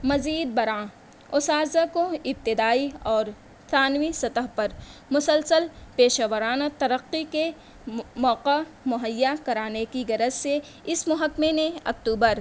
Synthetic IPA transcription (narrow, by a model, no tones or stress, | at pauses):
mɐziːd̪̚bɐɾãː | ʊsaːzakoɪb̚t̪ɪd̪aːiɔːɾ | t̪aːnwisɐt̪əɦpɐɾmʊsəlsəlpeːʃaʋəɾaːnat̪ɐɾəqːike | mɔːqa | mʊɦəjːakɐɾaːnekiɡɐɾəzse | ɪsmʊɦəkːmemeɐk̚t̪uːbəɾ